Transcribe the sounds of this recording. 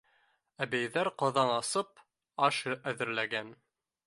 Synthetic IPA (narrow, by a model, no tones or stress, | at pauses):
æbæjðæɾqɑðɑnɑsɤp̚ | ɑʃɤʔæðɘ̆ɾlæɡæn